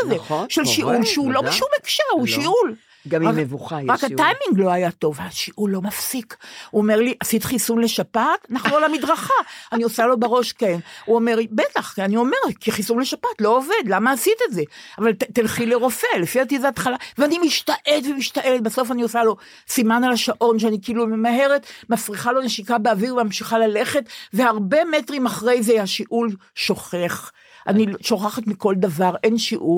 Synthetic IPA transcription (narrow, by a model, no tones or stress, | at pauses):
zeʃelʃiʔulʃeulo̞beʃumekʃaʁuʃiʔul | ɡamamevuχaʁakhaajmiŋɡlo̞ajat̪o̞vaʃiʔulːo̞mafsikuome̞ʁliʔasit̪χisunle̞ʃapat̪naχolamid̪ʁaχaaniosalo̞beʁo̞ʃke̞nuomeʁbe̞taχkianio̞me̞ʁkiχisunle̞ʃapat̪lo̞ove̞d̪lamaːsit̪etze̞avalt̪elχileʁo̞fe̞lefiat̪izat̪χalaveanimiʃt̪aʔelet̪vemiʃt̪aʔelet̪̚baso̞faniosalo̞ | simanalaʃaʔo̞nʃeanikiiːlumemaɦe̞ʁet̪mafʁiχalo̞neʃikabeaviʁvmamʃiχalale̞χetveaʁbe̞me̞tʁimaχʁe̞jzehaʃiʔulʃoχe̞χ | a̰niʃo̞χaχat̪miko̞ld̪avaʁʔe̞nʃiʔu